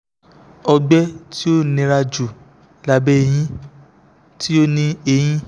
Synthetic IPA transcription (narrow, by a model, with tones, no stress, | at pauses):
ɔ˧ɡ͡bɛ˦ti˦o˦˨nĩ˧ɾa˧d͡ʒu˨ | la˦˨bɛ˦˨j̃ĩ˦ | ti˦o˦nĩ˧e˧j̃ĩ˦